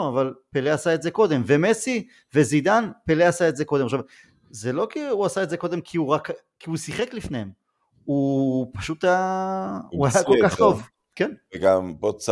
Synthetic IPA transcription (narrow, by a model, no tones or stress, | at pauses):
avalpeleasaetzeko̞d̪e̞mve̞mesi | ve̞zid̪anpeleasaetzeko̞demaʃav | zelo̞kiuasaetze̞ko̞d̪e̞mkʰiuʁak | kiusiχeklifnehem | upaʃut̪aja | uajakokaχt̪o̞v | keneɡampot͡s